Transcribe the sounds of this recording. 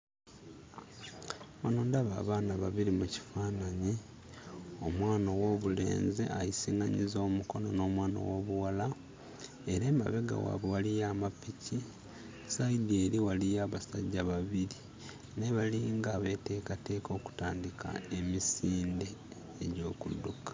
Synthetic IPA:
βanuːndaβa̰ːβaːnaβaβiɾimuci̥faːnaɲi | o̞mwaːnowo̞βule̞̰ːnzḛʔajisiːŋɡaɲḭzo̞ːmuko̞nono̞ːmwaːno̰wo̞ːβuwala | e̞ɾe̞ːma̰βe̞ɡa̰wa̰βowalijaːmapici | saidieːɾiwalijaːβasaɟːaβaβiɾi | ne̞βaliŋɡaːβe̞ːte̞ːkate̞ːko̞ːku̥taːndikʰa̰e̞misiːndeː | ɟo̞ːkṵdːukḁ

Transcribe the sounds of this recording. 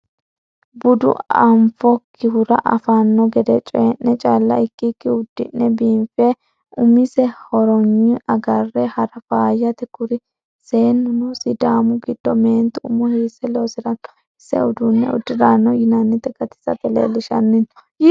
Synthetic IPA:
bʊd̪ʊ̰ɐmfɔkʰːɪhʊɾɐ̰ʔɐ̰fɐnːɔɡɛd̪ɛt͡ʃʼɛnːɛt͡ʃʼalːɐ̰ɪkːikːɪʊd̪ːɪ̰nːɛbiːmfɛ | ʊmɪsɛhɔɾɔɲːɪɐɡɐrːɛhɐɾɐfaːjɐt̪ɛkʊɾɪ | se̞ːnːʊnʊsɪd̪aːmʊɡɪd̪̥ːɔmeːnt̪ʊmɔhiːsɛloːsɪɾɐn | ɪsːɛ̰ʊd̪unːɛʊ̰d̪ːɪɾaːnːɔjɪnanːɪt̪ːɛɡɐt̪ɪ̥sɐt̪ɛlḛːlːɪʃɐ̰nːɪn

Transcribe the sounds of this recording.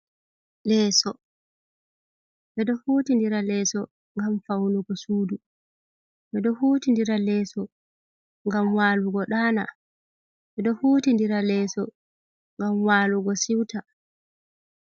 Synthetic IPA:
lɛːsɔ | ɓɛɗɔhuːtindiɾalɛːsɔ | ŋɡamfawnuɡɔsuːdu | ɓɛɗɔhuːtindiɾalɛːsɔ | ŋɡamwaːluɡɔɗaːna | ɓɛɗɔhuːtindiɾalɛːsɔ | ŋɡamwaːluɡɔsiwta

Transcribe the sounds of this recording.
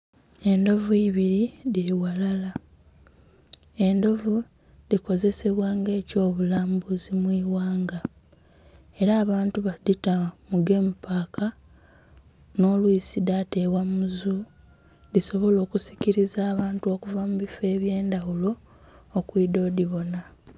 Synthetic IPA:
e̞ndo̞vuiβiɾiðiɾiwalala | e̞ndo̞vu | liko̞ze̞se̞βwaːŋɡe̞ːco̞ːβulaːmbuzimwiːwaːŋɡa | e̞ɾaːβaːntuβaðitamuɡe̞mupakʰa | no̞ːlwiːsidate̞βwamuzu | ðiso̞βo̞lo̞ːkusi̥ciɾizaːβaːntuo̞ːkuvamuβife̞ːβje̞ːndawulo̞ː | kwiːdo̞ːdiβo̞na

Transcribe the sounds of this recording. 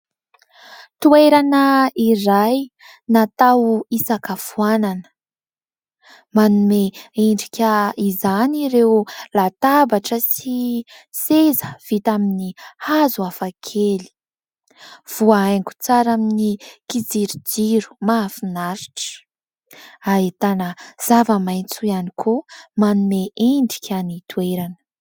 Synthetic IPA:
t̪ueɾanəiraj | nat̪awisakafuananə̥ | manumeeɳɖ͡ʐikʲəizaniɾewlat̪abaʈ͡ʂəsisezəv̥it̪aminihazuafakʰeli̥ | v̥uaajŋku̥t͡saɾaminikid͡ziɾid͡ziɾu̥maːfinaɾi̥ʈ͡ʂə̥ | aet̪anəz̥avəmajnt͡suanikʰomanumeʔeɳɖ͡ʐikʲʰanit̪ueɾanə̥

